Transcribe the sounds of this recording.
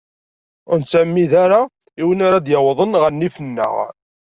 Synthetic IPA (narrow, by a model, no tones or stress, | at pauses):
ʊɾnt͡sːæmːiðaɾa | iwənaɾad̪jəwðˤənʁənːifənːə̰ʁ